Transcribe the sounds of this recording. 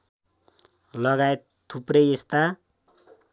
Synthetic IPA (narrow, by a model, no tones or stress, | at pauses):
lʌɡaet̪ | t̪ʰːuprejest̪a